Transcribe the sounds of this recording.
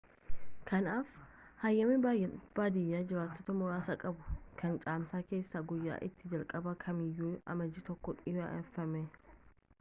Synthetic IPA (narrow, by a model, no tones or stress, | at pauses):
kʰɐnaːfhɐjːɐmibb̥aːd̪ɪjːaːd͡ʒɪɾaːt̪ːot̪ɐmʊɾaːsɐkʼɐbʊkʰɐnt͡ʃʼaːmsaːke̞ːsːaɡʊjːa̰ːʔɪt̪ːɪd͡ʒɐlkʼɐbɐkʰɐmɪjːuːɐ̰mɐd͡ʒɪt̪ɔkːɔᶑɪbɐ̰ʔɛfːɐmɛ